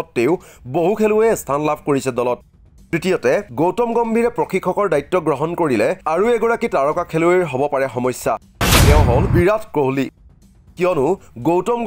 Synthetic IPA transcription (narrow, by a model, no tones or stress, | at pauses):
ɔtːeʊboɦukʰelʊɛstʰanlabʱkoɹisɛdɔlɔt̚ | tɹitijɔtɛɡowtɔmɡɔmbʱiɹɛpɹɔxʰikʰːɔkɔɹdajtːɔɡɹɔɦɔnkoɹilɛaɹuɛɡɔɹakitaɹɔkakʰelueɹɦobɔpaɹɛxɔmɔjsːa̰ | tɛʊ̃ɦolbiɹatʰkɹoɦli | kijɔnʊɡowtɔm